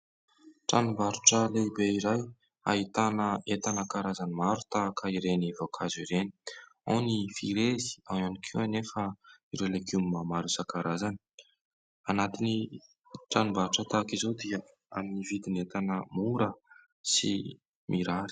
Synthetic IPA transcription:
ʈ͡ʂanumbaɾuʈ͡ʂəleibeiɾaj | a̰it̪anəet̪anəkaɾazanimaɾut̪aːkəiɾenivokʰaziɾeni̥a̰nifiɾezi̥awanikʰiwanefəiɾelekumimamaɾusakaɾazani̥ | anat̪ini | ʈ͡ʂanumbaɾuʈ͡ʂət̪akizowd̪iə | a̰minivid̪inet̪anəmuɾə | sḭ | mʔiɾaɾi̥

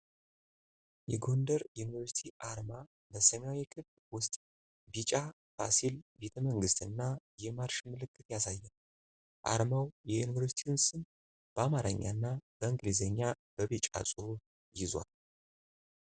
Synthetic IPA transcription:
jɛɡo̞nd̪əɾjuunivəɾsi̥t̪ʰiʔaɾma | bəsəmawikʰɨβlwʊst̪ʼ | bit͡ʃʼa | basilbe̞t̪ʰəməŋɡɨst̪ɨnːajɛmaɾʃmɨlɨkːɨt̪jasajːɛn | ʔa̰ɾmawjɛjunivəɾsi̥t̪ʰiɨnsɨn | b̥əamaɾəɲːa̰nːabəɨŋɡlizəɲːa | b̥əβit͡ʃʼa̰sʼu | jɪzwa̰l

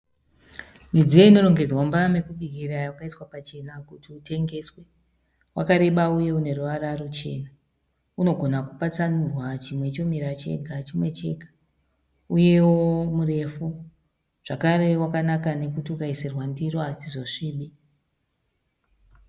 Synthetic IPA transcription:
nid͡zijeino̞ro̞ŋɡe̞d͡zwambame̞kuɓiɡʱiɾawakaiswapat͡ʃe̞nakutiute̞ŋɡe̞swe | wakaɾe̞ɓauje̞une̞ruʋaɾarut͡ʃe̞̰ːna | uno̞ɡʱo̞nakupat͡sanurwat͡ʃimwe̞t͡ʃo̞miɾat͡ʃe̞̰ɡʱat͡ʃimwe̞t͡ʃe̞̰ɡʱḁ | uje̞womure̞fu | ʐ̥akaɾe̞wakanakane̞kutiukaiserwandiroad͡zizoʂiːɓi

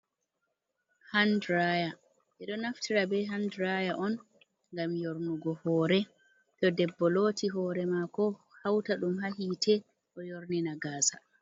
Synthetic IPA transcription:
handɾaja | ʔɛɗɔnaftʰiɾabɛɦandɾajaʔɔn | ŋɡamjoɾnuɡɔhɔːɾɛ | tɔdɛbːɔloːtiɦɔːɾɛmakɔhawtaɗumɦaɦitʰɛ | ʔɔjoɾninaɡaːsa

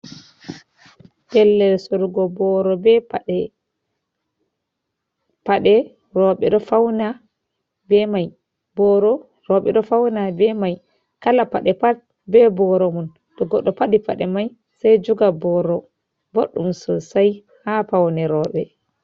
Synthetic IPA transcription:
bɛlːɛlsɔɾɡɔbɔɾɔbɛpaɗɛ | paɗɛ | rɔɓɛɗɔfawna | bɛmaj | bɔɾɔ | rɔɓɛ̰ɗɔfawnabɛmaj | kalapaɗɛpat̚ | bɛbɔɾɔmun | tɔɡɔɗːɔpaɗipaɗɛmaj | sajd͡ʒuɡabɔɾɔ | boɗːumsɔsaj | hafawnɛɾɔːɓɛ

